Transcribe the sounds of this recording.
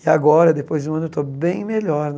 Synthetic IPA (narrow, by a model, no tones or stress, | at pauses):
ɪaɡɔɾɐɛd̪epojzd͡ʒũɐ̃not̪ɔbẽj̃meʎɔɾn